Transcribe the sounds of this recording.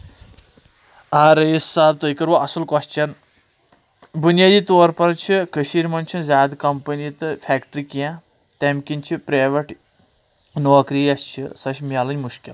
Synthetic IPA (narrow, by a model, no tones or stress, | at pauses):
aːɾɐjisːaːb̚t̪ojkɐɾʋoɐsulkɔst͡ʃʰɐn | bunjaːd̪iːt̪oɾpɐɾt͡ʃʰikəʃiɾmɐnʲt͡ʃʰizʲaːd̪kɐmpənit̪ɨfʰɛːkʈɾikjã | t̪emkʲinʲt͡ʃʰipɾaːʋɐʈ | noːkɾiːɐst͡ʃʰḭsɐʃmʲaːlɐnʲmuʃkʲil